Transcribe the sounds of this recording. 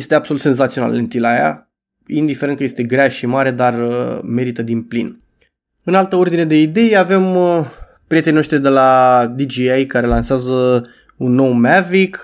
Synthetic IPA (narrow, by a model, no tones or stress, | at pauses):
jest̪e̞abso̞lut̪se̞ns̬at̪sio̞na̰lint̪ilaja̰ | ind̪ifeɾe̞nt̪kəje̞st̪e̞ɡɾeaʃimaɾe̞d̪arme̞ɾit̪əd̪inplin | ɨnalt̪əo̞rd̪ine̞d̪e̞id̪e̞jave̞m | pɾiet̪enʲino̞ʃt̪ɾid̪e̞lad̪id͡ʒiejkaɾe̞lanseazə | unːo̞wmævik